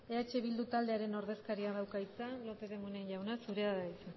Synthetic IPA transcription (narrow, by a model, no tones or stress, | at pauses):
eat͡ʃeβild̪ut̪ald̪e̞aɾe̞no̞ɾðe̞skaɾiaðawkajt͡salo̞pe̞ðe̞muneɲʎawnasuɾe̞aðajt͡sa